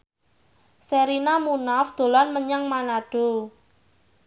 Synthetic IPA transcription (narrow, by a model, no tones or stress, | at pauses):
seɾinamunafd̪̥o̤lanməɲaŋmanaɖ̥o̤